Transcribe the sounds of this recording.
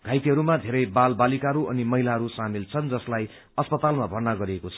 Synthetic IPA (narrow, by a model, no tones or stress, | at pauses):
ɡʱajt̪iɦʌɾumad̪ʱeɾʌjbalbalikaɦʌɾuʌnimʌɦilaɦʌɾusamilt͡sʰʌnd͡zʌslaj | ʌspʌt̪almabʱʌrnaɡʌɾiekot͡sʰʌ̥